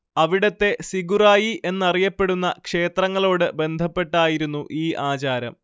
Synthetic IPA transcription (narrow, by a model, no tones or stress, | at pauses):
ɐʋiɽɐt̪ːe̞siɡuraːjiʔe̞nːɐrijɐpːe̞ɽunːɐ̰kʂe̞ːt̪rɐŋːɐɭo̞ːɽɨbe̞nd̪ʱɐpːe̞ʈːaːjiɾunːuʔiːʔaːt͡ɕaːɾɐ̰m